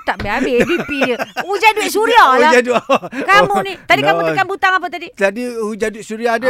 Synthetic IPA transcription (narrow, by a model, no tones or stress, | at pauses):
t̪aʔbeabebipiud͡ʒaduisuɾialad͡ʒadukamunit̪adikamukanbut̪aŋap̬ət̪adit̪adiud͡ʒaduiʔsuɾiaːda